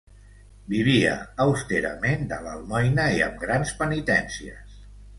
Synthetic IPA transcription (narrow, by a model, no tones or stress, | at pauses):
biβ̞iə̰ːwst̪eɾə̰mend̪ələlˠmɔjnəiə̰mɡɾanspənit̪ɛnsiə̰s